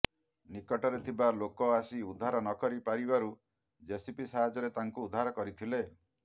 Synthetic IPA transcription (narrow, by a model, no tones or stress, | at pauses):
nikɔʈɔɾet̪ʰibalokɔasiud̪ʱːaɾɔnɔkɔɾipaɾibaɾu | d͡ʒesipisaɦad͡ʒɔɾet̪aŋkuːd̪ʱːaɾɔkɔɾit̪ʰile